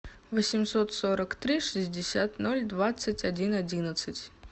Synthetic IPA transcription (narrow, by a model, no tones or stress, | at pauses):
vəsʲɪmsot̪soɾəkt̪ɾʲiʂɨzʲdʲɪsʲat̪no̞lʲd̪vat̪sɨtʲɐdʲinɐdʲinət̪sɨtʲ